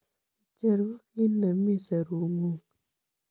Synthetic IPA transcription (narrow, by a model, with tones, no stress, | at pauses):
t͡ʃe˨ɾi˦ne˨˦mi˦˨se˨ɾu˨ŋu˦ŋ